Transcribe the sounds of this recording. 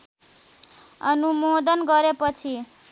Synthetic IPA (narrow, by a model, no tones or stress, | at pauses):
ʌnumod̪ʌnɡʌɾepʌt͡sʰi